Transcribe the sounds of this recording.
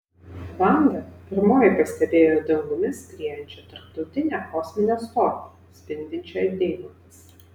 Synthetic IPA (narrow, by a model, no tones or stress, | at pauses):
bɑˑnd̪ɐpʲɪɾmoːjɪpɐsʲt̪ʲɛbʲeːjoːd̪ɐŋɡʊmʲɪspʲɾʲijɛnʲt͡ʃʲɛt̪ɐɾp̚t̪ɒʊt̪ʲɪnʲɛːkɔːsʲmʲɪnʲoːst̪ɔːpʲ | sʲpʲɪnʲd̪ʲɪnʲt͡ʃʲod̪ʲeɪnɐmʲɪs